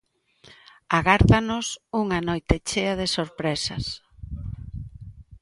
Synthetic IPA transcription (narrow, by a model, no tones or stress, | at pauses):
aɣaɾðanʊsuŋanojt̪et͡ʃeɐð̞esoɾpɾesɐ̰s